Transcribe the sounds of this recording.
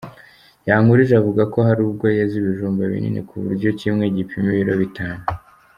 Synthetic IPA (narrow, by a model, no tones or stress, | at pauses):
jaːŋuɾiʒeavuɡako̞ɦaɾubɡo̞jeziβiʒuːmbaβḭnḭnḭkʰuβṵɾɟo̞cimŋe̞ɟipʰimiβiɾo̞βitʰaːnu